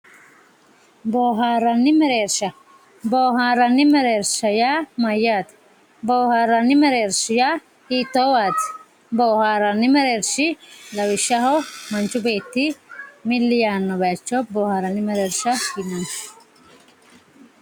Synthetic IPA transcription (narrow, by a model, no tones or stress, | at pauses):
boːɦaːɾɐnːɪmɛɾeːɾʃɐ | boːɦaːɾɐnːɪmɛɾeːɾʃɐjaːmɐjːaːt̪ | boːhaːɾɐnːɪmɛɾeːɾʃɪjaː | hiːt̪ːoːwaːt̪ɪ̥ | boːhaːɾɐnːɪmɛɾeːɾʃɪlɐwɪʃːɐhɔmɐnt͡ʃːʊbe̞ːt̪ːɪmɪlːɪjaːnːɔbɐt͡ʃːɔboːhaːɾɐnːɪmɛɾeːɾʃɐinːɐn